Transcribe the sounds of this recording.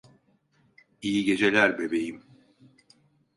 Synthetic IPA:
ijiɟe̞d͡ʒe̞lʲæɾbe̞be̞jim

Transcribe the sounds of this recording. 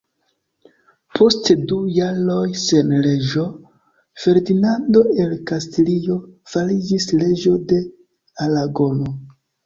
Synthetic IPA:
pʰo̞stdujaɾo̞jse̞nle̞ʒo̞ | fe̞ɾdinando̞e̞lkastlio̞falid͡ʒisle̞d͡ʒo̞de̞ | alaɡo̞no

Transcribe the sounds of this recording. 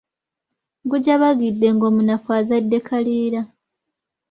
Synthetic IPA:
ɡuɟaβaɡidːe̞ŋɡo̞ːmunafwaːzadːe̞kʰaliːɾa

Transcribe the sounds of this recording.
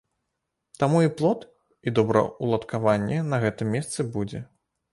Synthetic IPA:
t̪amuiplˠɔt̪ | id̪ɔbɾɐ̰ulˠɐt̪kavanʲːɛnɐɣɛt̪ɨmːʲɛst̪sɨbud͡zʲɛ

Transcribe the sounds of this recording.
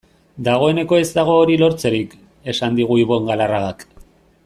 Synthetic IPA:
d̪aɣ̞o̞e̞ne̞ko̞e̞zt̪aɣ̞o̞ːɾilo̞ɾt͡se̞ɾik | e̞sand̪iɣ̞uiβo̞eŋɡalaraɣak

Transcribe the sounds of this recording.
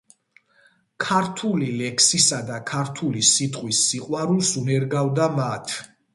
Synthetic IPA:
kʰaɾt̪ʰulilɛkʰsisad̪akʰaɾt̪ʰulisit̪ʼqʼwisːiqʼwaɾulˠsunɛɾɡavd̪amat̪ʰ

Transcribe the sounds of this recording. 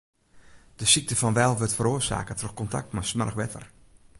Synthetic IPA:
d̥əsik̚təfɔnʋɛlˠʋøtfəɾoːsa̰ːkətroxkɔnta̰k̚tmasmɛrəxʋɛtʰə̰r

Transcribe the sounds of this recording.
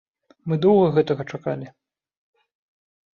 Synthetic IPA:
mɨd̪ɔwɣɐɣɛt̪ɐɣɐt͡ʂakalʲi

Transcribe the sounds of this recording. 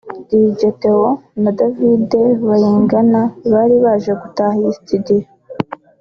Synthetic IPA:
diɟete̞honadavide̞βaɾiːŋɡanaβaːɾiβaːʒeɡutaːhaisi̥tidija

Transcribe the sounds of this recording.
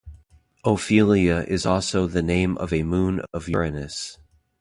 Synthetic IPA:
oʊfilˠiɨʔɪzɔlˠsoʊðɨnẽɪ̃mʔʌ̰vɨmũnʌvjə˞ɨnɨs

